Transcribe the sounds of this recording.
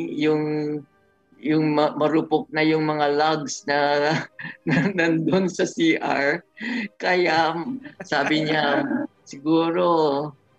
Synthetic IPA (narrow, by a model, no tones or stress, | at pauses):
jʊŋ | jʊŋmɐmɐɾʊpok̚nɐjʊŋmɐŋalaɡsnɐ | nɐnɐnd̪onsɐsiʔa̰ɹkɐjaʔsaːbɪɲa | sɪɡuːɾo̞